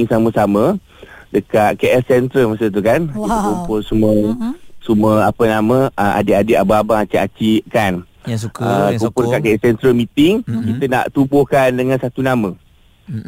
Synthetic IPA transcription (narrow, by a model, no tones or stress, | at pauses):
ŋsaməsamə̃ | dəkat̪̚keʔɛssɛnt̪ɾəlmasət̪̬ukankit̪kumpʊsuməsuməapənamə̃ʔəa̰deʔadeababaŋat͡ʃiat͡ʃikan | əkumpʊdəkaʔkeɛsɛnt̪ɾəlmit̪ɪŋkit̪əna̰ʔt̪ubokandəŋãnsat̪unamə̃